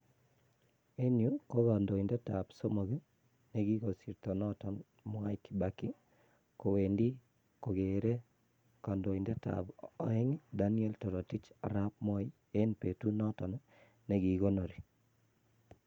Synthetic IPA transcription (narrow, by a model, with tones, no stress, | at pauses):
e˦nju˦ko˦ka˨ndo˨i˨ndɛ˦ta˨bso˦mo˨ɡi˦ | ne˦ɡi˦ɡo˨si˨ɾto˨nɔ˦tɔ˨n | mwa˦ɪ˦kiba˨ki˦ | ko˨we˨ndi˦ | ko˨ɡe˨ɾe˦ | ka˨ndo˨i˨ndɛ˦ta̰˨bɔ˨ɪ˦ŋda˦niɛ˦ltɔ˨ɾɔ˨ti˦t͡ʃa̰˨ɾa˦p̚mɔ˦i˦ | eː˦npe˨tu˦nɔ˦tɔ˨nɔ˦ | ne˦ɡi˨ɡo˦no˨ɾi˨